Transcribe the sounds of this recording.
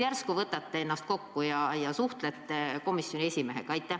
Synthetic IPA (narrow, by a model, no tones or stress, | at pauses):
jærskuvɤt̪ːˑɑt̪ːee̞nːɑst̪̚ko̞kːujɑjɑsuht̪let̪ːˑeko̞misjo̞nʲiesʲimeɦekɑjt̪ːˑe